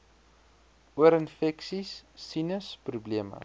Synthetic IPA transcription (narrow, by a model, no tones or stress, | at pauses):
uəɾənfɛksisːinəsprubliəmə̰